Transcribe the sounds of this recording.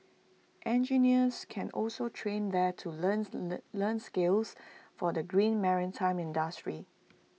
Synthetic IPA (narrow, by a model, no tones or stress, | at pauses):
ʔɛ̃nd͡ʒiniəskʰɛ̃nɔlsotʰɹẽndɛtʰuənlənskelsfɔdəɡɹĩnmɛɹɪntʰãɪ̃mɪ̃ndəstɹi